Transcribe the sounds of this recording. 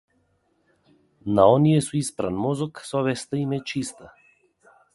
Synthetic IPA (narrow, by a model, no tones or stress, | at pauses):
naɔnijɛsuispɾa̰nmɔzɔksɔvɛst̪aimɛt͡ʃist̪a